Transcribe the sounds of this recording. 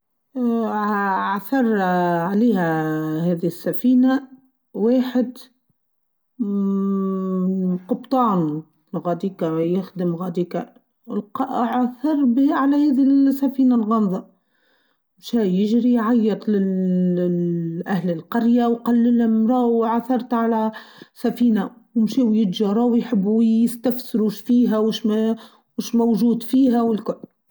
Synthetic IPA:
ʕθɑɾˤʕaliːhæhɛːðihɪsːæfiːna | weːħɪd̪ | qʊbt̪ˤɑːn | ɣɑd̪iːkajɪxd̪əmɣɑd̪iːka | lqɑʕθɑɾˤbhʕalæhæːðisːæfiːnalɣɑnðˤɑ | mʃæjɪʒɾijʕajːɑt̪ˤlɪl | ʔæhləlqɑɾjawqɑlːɪlæmɾˤɑːwʕaθɑɾˤt̪ʕalæsæfiːnawmʃiːwjɪd̪ʒɑɾˤɑːwjħɪbːujɪst̪æfsɪɾuʃfiːɦæwɪʃ | wɪʃmæwʒuːd̪fiːɦæwɪlkʊlː

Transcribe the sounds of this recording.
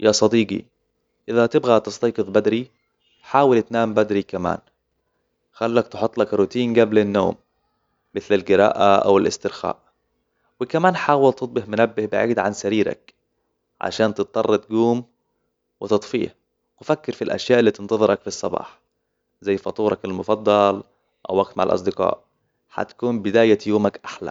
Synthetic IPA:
jasˤɑd̪iːɡḭ | ʔɪðat̪ɪbɣat̪ɨst̪ɑːqɨðˤbad̪ɾi | ħaːwɪlt̪naːmbad̪ɾikama̰ːn | xalːak̚t̪ɪħʊt̪ˤːlakɾʊt̪iːnɡablanːo̰ːmː | ɪθlalɡɪɾa̰ːʔaʔa̰wɪlʔɪ̰st̪ɪɾxa̰ːʔ | wɪkamaːnħaːwalt̪ɨt̪̚ˤbɪhmʊnabːɪhbɪʕiːd̪ʕansaɾiːɾa̰k | ʕa̰ʃaːnt̪ɨt̪ˤːɑrˤːɑt̪ɡuːm | wɪt̪ɨt̪ˤfḭːh | wfakːɪɾfilʔa̰ʃjaːʔɪlːiːt̪ɪnt̪ɑðˤɨɾɑkfisˤːɑbɑ̰ːħ | zajːfɑt̪ˤuːɾˤɑkalmʊfɑd̪ˤːɑl | ʔa̰wːaɡ̚t̪maʕalʔɑ̰sˤd̪ɪqɑ̰ːʔ | ħa̰t̪kuːnbɪd̪aːjajuːmakʔaħla̰

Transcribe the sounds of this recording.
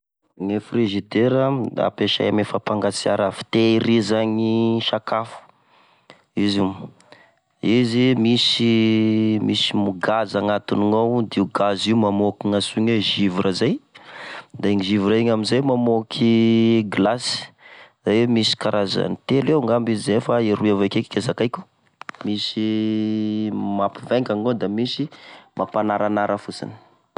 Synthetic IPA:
ŋefriʒid̪eɾəa̰peʃa̰jamefapaŋɡasiaɾafi̥t̪eiɾizaɲiʃakafu̥ | iziw | izimisi | misimuɡazaŋat̪iniŋawd̪iɡaziumamokiŋasuɲeʒivuɾʔəzaj | d̪aeŋiʒivuɾaiɲamizajmamokʰiɡlasi̥zawemisi̥kaɾʔaza̰nit̪eleuŋɡambizizefaiɾuavakeki̥kʲazakajkʲu̥ | misi | mapiveŋkaŋod̪amisimʔapanaɾanaɾʔəfusḭni̥

